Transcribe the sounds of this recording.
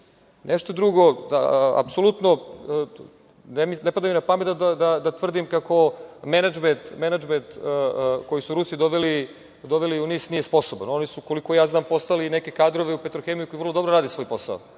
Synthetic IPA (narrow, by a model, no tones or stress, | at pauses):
neʃt̪od̪ɾuɡod̪a̰a̰psolut̪no | neminepad̪aminapamet̪ad̪ad̪ad̪at̪ʋr̩d̪imkako̞menad͡ʒment̪menad͡ʒment̪ː | ko̞jisuɾusid̪oʋeli | d̪oʋeliuniːsnijespo̞sobano̞nisukoliko̞jaːznaːmpo̞st̪alineke̞kaːd̪ɾo̞ʋeupet̪ɾoxemijukoivr̩lˠod̪o̞bɾoɾaːd̪isʋo̞jpo̞sa̰o̰